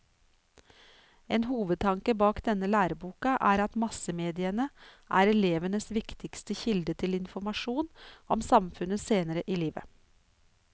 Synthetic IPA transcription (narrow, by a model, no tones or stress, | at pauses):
eːnhuːʋəd̪̚t̪ʰɑŋkəbɑːkd̪ɛnəlæːɾəbuːkɑʔæːɾɑt̪mɑsəmeːd̪ɪənəʔæːɾɛleːʋənəsʋɪkt̪ʰɪkst̪əçɪld̪ət̪ʰɪlɪnfɔmɑʃuːnʔɔmsɑmfʉnəseːnəɾəʔiːliːʋə̰